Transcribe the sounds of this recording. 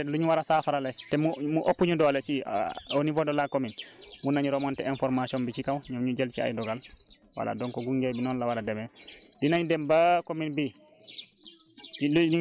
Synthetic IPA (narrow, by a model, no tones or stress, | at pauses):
luɲuwaɾasafaɾalɛtɛmumuʔopːuɲudɔlɛt͡ʃionivɔdɔlakominmunːaɲuɾɔmɔntɛɛnfɔɾmasiɔnbit͡ʃikawɲɔmɲud͡ʒɛlt͡ʃia̰jdɔɡal | wa̰la̰dɔŋkɔɡuŋɡɛbinɔnlawaɾadɛmɛdinaɲudɛmbakominbi | l